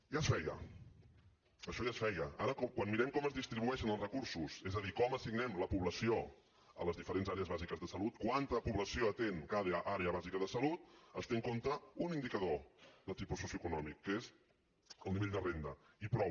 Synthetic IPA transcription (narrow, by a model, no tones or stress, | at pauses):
jasfɛjə̰ | əʃɔjasfɛjəaɾəkɔkwanmiɾɛmkɔməzðist̪ɾiβuɛʃənəlˠzrəkuɾsusɛzəðikɔməsiɡnɛmləpuβləsio | ə̰ləzðifəɾenzaɾeəzβazikəzðəsəlut̪̚kwant̪əpuβləsioət̪eŋkaðʔaɾeəβazikəðəsəlut̪̚əst̪eŋkont̪əunind̪ikəðoðət̪ipusːusjuəkunɔmikːez | əlˠniβeʎʲd̪ərend̪əipɾɔ